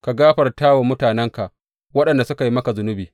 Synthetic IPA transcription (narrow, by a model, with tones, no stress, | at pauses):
ka˨ɡaː˦ɸɐ˨rtaː˦wa˨mʊ˦taː˨nɛ˦ŋka˨ʔ | wɐ˦ɗɐ˨nda˨sʊ˦ka˨ji˦mɐ˦ka˨zʊ˦nʊ˦biː˨